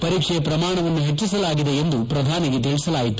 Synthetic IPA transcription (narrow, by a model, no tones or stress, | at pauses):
pɐɾiːkʂɛjɐpɾɐmaːɳɐʋɐnːuɦet͡ʃːisɐlaːɡid̪eend̪upɾɐd̪ʱaːniɡet̪̬iɭisɐlaːjit̪u̥